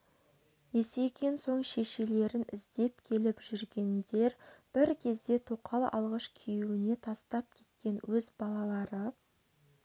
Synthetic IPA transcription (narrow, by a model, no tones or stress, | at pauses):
je̞se̞kʲe̞nso̞ɴʃe̞ʃe̞le̞ɾɪnɪzd̪e̞p̚kʲʰe̞lɪpʒ̥ʏɾɡʲe̞nd̪e̞ɾb̥ɪɾkʲʰe̞zd̪e̞t̪ʰoqʰɑlˠɑ̰lˠʁɑʃkʲʰejuɪne̞t̪ʰɑst̪ɑp̚kʲʰe̞̥t̪̚kʲe̞nwɵzbɑlˠɑlˠɑɾə